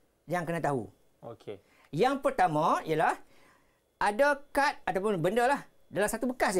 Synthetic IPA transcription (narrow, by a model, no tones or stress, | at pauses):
jaŋkənãt̪aɦṵ | o̰kʰe | jaŋpərt̪amãijalah | adakat̪̚at̪awpʊnbəndəlah | dalamsat̪ubəkas